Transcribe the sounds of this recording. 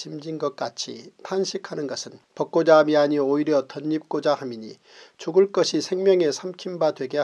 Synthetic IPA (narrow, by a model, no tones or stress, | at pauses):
t͡ɕimd͡ʑinɡʌk̚k͈at͡ɕʰḭtʰanɕʰikʰanɯnɡʌsʰɯnpʌk̚k͈od͡ʑamiaɲioiɾjʌtʌɲːip̚k͈od͡ʑahamiɲḭ | t͡ɕuɡɯɭk͈ʌɕʰisʰe̞ŋmjʌŋe̞sʰamkʰimbadwe̞ɡe